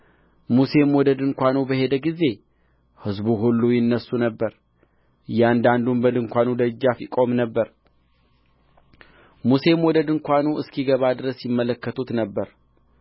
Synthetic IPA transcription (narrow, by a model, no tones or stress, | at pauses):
muse̞mwɔd̪əd̪ɨŋkʷanubəɦe̞d̪əɡize̞ | hɨzbuɦulːujɪnːəsːunəbːəɾ | jɛand̪and̪umbəd̪ɨŋkʷanud̪əd͡ʒːafikʼo̞mnəbːəɾ | muse̞mwɔd̪əd̪ɨŋkʷanuɨskʰiɡəβad̪ɨɾəsjɪmːələkːət̪ʰut̪nəbːəɾ